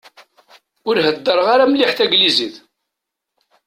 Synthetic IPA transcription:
ʊɾɦəd̪ːəɾˤʁaɾamliħθæɡliziθ

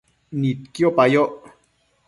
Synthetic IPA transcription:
nit̪̚kjopajoʔ

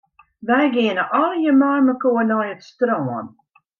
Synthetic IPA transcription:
ʋɛjɡɪənəʔɔljəmɔrməkoənɔjətstrɔːən

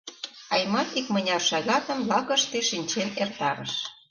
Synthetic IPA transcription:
ɑjmɑt̪ikmə̆nʲɑrʃɑɣɑt̪ə̆mlɑkə̆ʃt̪eʃinʲt͡ɕenert̪ɑɾə̰ʃ

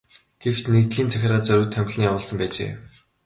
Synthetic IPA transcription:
ɡ̥ew̥t͡ɕnekt̪ɮiːnt͡sʰæxʲɪ̆raːt͡sœɾʲuːt̪ʰːœmʲɮniːjawʊːɮsə̆mpæːt͡ɕḛː

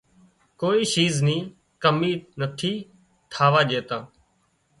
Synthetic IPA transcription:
koːiːʃiːznĩː | kəmiːnət̪ʰiː | t̪ʰaːʋaːd͡ʒeːt̪aː

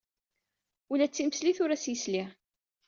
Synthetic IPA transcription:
ulæt͡sːiməsliθʊɾæsjəsliʁ

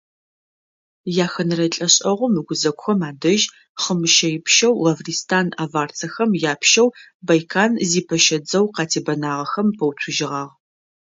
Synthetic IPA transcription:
jaːxɐnɨrɐɬʼɐɕʼɐʁʷʊmɨɡʷʊzɐkʷʼxɐmaːdɐʒ | χəmɨʃɐjɪpʃɐwlɐvriːstʰaːnaːvaːrt͡sʰɐxɐmjaːpʰʃɐw | bɐjkʰaːnziːpʰɐʃɐd͡zɐwqɑːtʰeːbɐnaːʁɐxɐmpʰɐwtʷʰʊʒɪʁɑːʁ

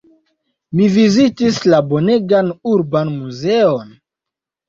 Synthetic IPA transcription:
mivizitislabo̞neɡanuɾbanmuzeon

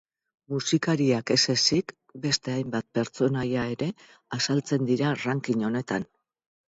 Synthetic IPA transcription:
musikaɾiake̞se̞sik | be̞st̪e̞ajmbat̪̚pe̞ɾt͡so̞najae̞ɾe̞ | asalt͡se̞nd̪iɾaraŋkiɲo̞ne̞t̪an

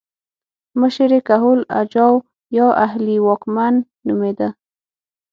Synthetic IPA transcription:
məʃəɾekaɦʊla̰d͡ʒɑw | jɑʔahliwɑkmanː | umed̪a

